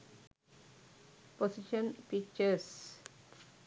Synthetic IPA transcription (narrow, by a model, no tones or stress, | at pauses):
pʰɔsɪʃə̃npɪkt͡ʃəs